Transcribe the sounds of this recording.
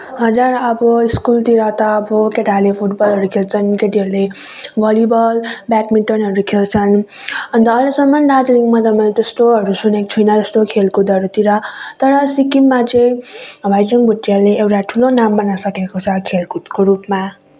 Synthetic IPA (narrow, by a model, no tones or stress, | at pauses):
ɦʌd͡zuɾʌbʌiskult̪iɾʌt̪ʌːbʌkeʈalepʰuʈbʌlɦʌɾukʰelt͡sʰʌnkeʈiɦʌɾule | bʱʌlibʌlbakmiʈʌnɦʌɾukʰelt͡sʰʌn | ʌnd̪ʌːlesʌmʌnd̪ad͡zɾiŋmad̪ʌmʌnt̪ʌst̪oɦʌɾusunek̚t͡sʰʌjnʌd͡zʌst̪okʰelkod̪ʌɾut̪iɾʌt̪ʌɾʌsikimːat͡sʌj̃bʱajd͡zʌŋbʱuʈːiɦʌɾuleewʈaʈʰulonambʌnasʌkekot͡sʰʌkʰelkkoɾupma